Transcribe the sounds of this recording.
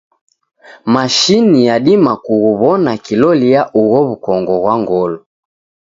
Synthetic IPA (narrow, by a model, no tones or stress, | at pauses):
maʃinijaɗimakuɣuβɔnakilɔlijaʔuɣɔβukɔŋɡɔɣwaŋɡɔlɔ